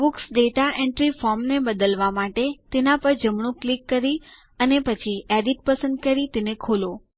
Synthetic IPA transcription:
buksɖeʈaɛ̃ɳʈɾifɔɾmnebəd̪əlʋamaʈet̪enapəɾd͡ʒəmɳ̃ũklikːəɾi | ənepət͡ʃʰiɛɖiʈ̚pəsə̃nd̪̚kəɾit̪enekʰulo

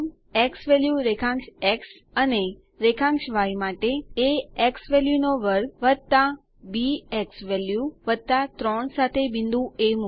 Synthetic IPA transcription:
eksʋɛljuɾekʰãŋkʃeks | əne | ɾekʰãŋkʃʋajmaʈeeeksʋɛljunoʋəɾɡʋəd̪̚t̪a | bieksʋɛljuʋəd̪̚t̪at̪ɾɔɳsat̪ʰebɪ̃nd̪ʱũemu

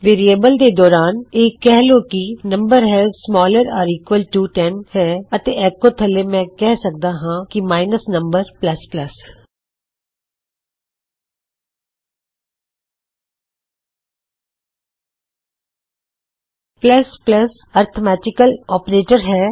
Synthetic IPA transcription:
ʋeːɾieːbəld̪ed̪ɔːɾaːneːkːɛɦloːkinə̃mbəɾɦɛːzsmɔːləɾaːɾiːkʋəlʈuːʈɛnhɛːət̪eɛːkːot̪ʰəlemɛ̃ːkɛːɦsək̚d̪aːɦãːkimaːɪnəsnə̃mbəɾpləspləs | pləspləs | əɾt̪ʰəmɛːʈɪkəlɔːpɾeːʈəɾɦɛː

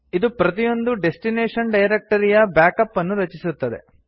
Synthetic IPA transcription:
id̪upɾɐt̪ijo̞nd̪uɖe̞sʈineːʂɐɳɖɐjɾek̚ʈɐɾijɐbjaːkɐpːɐnːuɾɐt͡ʃisut̪ːɐd̪e̞̰

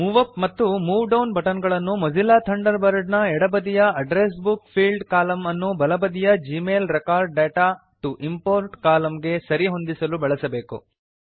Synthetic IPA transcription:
muʋɐpmɐt̪ːumuːʋɖɐwnbɐʈɐnɡɐɭɐnːumɐzilːaːt̪ʰɐɳɖɐɾbɐɾɖnɐɛɽɐbɐd̪ijɐɐɖɾeːs̬bukpʰiːlɖkaːlɐmɐnːubɐlɐbɐd̪ijɐd͡ʒiːmeːlɾekaːɾɖːeːʈaː | ʈuʔimpoːɾʈkaːlɐmɡe̞sɐɾiɦo̞nd̪isɐlubɐɭɐsɐbe̞ːkṵ

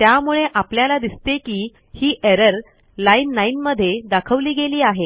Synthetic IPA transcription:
t̪jamuɭeʔapljalad̪ist̪ekiː | hiːʔeɾəɾ | lainːainməd̪ʱːjed̪akʰəʋliːɡeliːaɦe

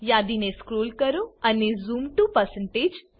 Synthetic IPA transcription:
jaːd̪ineskɾoːlkəɾoɐnezuːmʈupəɾsə̃ɳʈeːd͡ʒ

